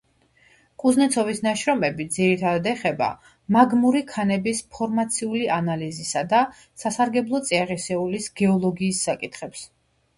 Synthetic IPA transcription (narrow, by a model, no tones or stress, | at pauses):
kʼuznɛt̪sʰɔvisnaʃɾɔmɛbid̪ziɾit̪ʰad̪ad̪ɛχɛba̰ | maɡmuɾikʰanɛbispʰɔɾmat̪sʰiulianalizisad̪a | sasaɾɡɛblˠɔt̪sʼiaʁisɛulisɡ̥ɛɔlˠɔɡiːsːakʼit̪ʰχɛps